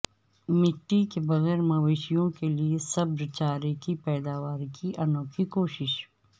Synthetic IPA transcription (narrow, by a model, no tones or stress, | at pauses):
mɪʈːikebɐɣɛːɾmɐʋeːʃijõkeliesɐbɾɪt͡ʃaːɾekipɛːd̪aːʋaːɾkiʔɐnõːkikoːʃɪʃ